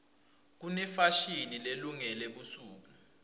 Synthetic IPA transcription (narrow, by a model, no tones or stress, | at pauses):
k̬unɛfaʃinileluŋɛleɓusuːk̬u